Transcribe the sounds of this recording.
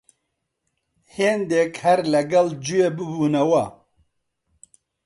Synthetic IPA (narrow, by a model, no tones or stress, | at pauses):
heːnd̪ekhɐɾlɐɡɐld͡ʒujeːbɨbuːnɐwɐ